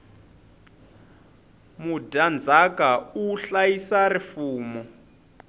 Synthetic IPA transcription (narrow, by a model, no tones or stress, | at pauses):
mudand͡zakauɬajisarifuːmɔ